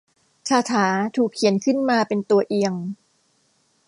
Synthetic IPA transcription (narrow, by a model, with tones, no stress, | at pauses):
t͡ɕʰaː˧t̪ʰaː˩˦t̪ʰuː˨˩kʰːi˨˩˦ənkʰɯ˥˩nmaː˧pe˧nt̪u˧ɐʔi˧əŋ